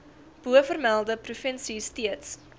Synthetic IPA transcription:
b̥uəfərmælˠdəprufənsistiəts

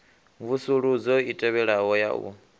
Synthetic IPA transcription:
vusuɺud͡zɔitʼɛβɛɺaɦɔja̰ɔ̰

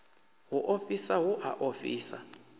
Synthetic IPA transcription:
wuʔofisawuʔaʔofḭːsa̰

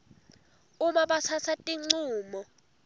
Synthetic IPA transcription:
umaɓasʰasʰatʼiŋ͡ǀuːmɔ

